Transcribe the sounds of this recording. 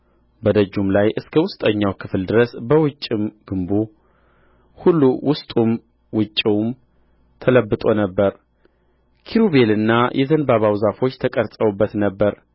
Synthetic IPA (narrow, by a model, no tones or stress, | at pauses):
bəd̪əd͡ʒːumlajʔɨskʰəwʊst̪ʼəɲːawkʰɨfld̪ɨɾəsbəwʊt͡ʃʼːimɡ̥ɨmbu | hulːuwʔʊst̪ʼum | wʊt͡ʃʼːiwm | t̪ʰələbːɨt̪ʼo̞nəbːəɾ | kʰiɾuβe̞lɨnːajʔɛzənbaβawzafo̞t͡ʃːt̪ʰəkʼəɾt̪ʼəwubːət̪nəbːəɾ